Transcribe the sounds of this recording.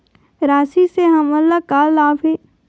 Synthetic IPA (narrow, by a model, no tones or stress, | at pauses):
ɾaːsiseɦɐməlːakaːlːaːpe